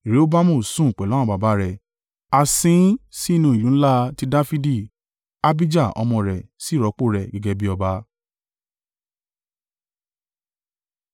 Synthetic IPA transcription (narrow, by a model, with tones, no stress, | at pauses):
i˨ɾe˦o˦ba˦mũ˦˨sũ˦˨k͡pɛ˨lɔ˦ɔ̃˦˧˨ba˨ba˧˦ɾɛ˨ | a˧sĩ˦si˦i˦˧nũ˧˨i˨jũ˨˦n̩˦la˦ti˦da˦fi˦di˦˨ | a˦bi˦d͡ʒa˦˨ɔ̰˧mɔ̃˧ɾɛ˨si˨˦˨ɾɔ˨˦k͡po˦˨ɾɛ˨ɡɛ˨˧ɡe˧bi˦ɔ˧ba˧˦